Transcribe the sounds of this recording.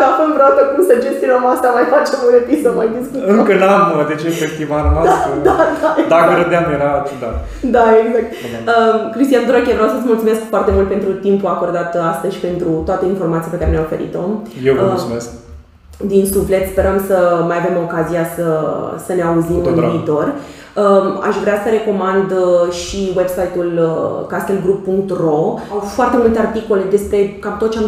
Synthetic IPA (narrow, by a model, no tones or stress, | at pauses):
afunvɾeasəkumsəd͡ʒest̪inəmast̪amajfat͡ʃe̞muɾet̪isəmajd̪iskuɨŋkənamd̪et͡ʃefest̪imaɾanoast̪ɾəad̪aed̪aɡɾəd̪eamjeɾat̪d̪a | d̪aeɡzak̚t̪ | əkɾist̪ianod̪ɾakʲevɾawsəsmult̪sumeskfoart̪e̞mult̪pe̞nt̪ɾut̪impuako̞rd̪at̪ast̪əzʃi̥pe̞nt̪ɾut̪oat̪əinfo̞rmat̪sijape̞kaɾenjaofe̞̰ɾḭt̪o̞mjemes | d̪insufle̞t̪spe̞ɾəmsəmajave̞mo̞kazijasəsəne̞auzimmɨniːt̪o̞r | əa̰ʃvɾeasəɾe̞ko̞mand̪ʃiwe̞bsajt̪ulkast̪elɡɾupːuŋkt̪ro̞awfoart̪e̞mult̪e̞art̪iko̞le̞d̪e̞spɾe̞kamt̪ot̪̚t͡ʃeam